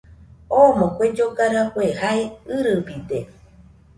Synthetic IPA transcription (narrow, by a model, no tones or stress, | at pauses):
omõkʷed͡ʒoɡaɾakʷehaeɨɾɨpid̪e